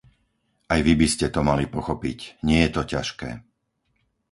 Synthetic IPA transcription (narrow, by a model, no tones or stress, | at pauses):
ajʋibiscɛt̪ɔmalipɔxɔpḭcɲɪɛjɛt̪ɔcaʃkɛ̰ː